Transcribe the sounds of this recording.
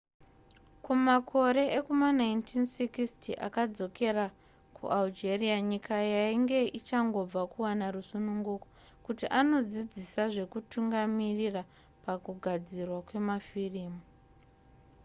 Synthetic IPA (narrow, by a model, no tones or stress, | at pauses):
kumakʰo̞ɾe̞ʔekumanaintʰinsikistiʔa̰kad͡zo̞ke̞ra | kʰṵʔald͡ʒerijaɲikʰajaiŋɡe̞ʔit͡ʃaŋɡo̞b͡vakuwanarusunuŋɡuko̞ | kutiʔano̞d͡zid͡zisaʐe̞kutʰuŋɡamirira | pakuɡʱad͡zirwakwe̞mafiriːmu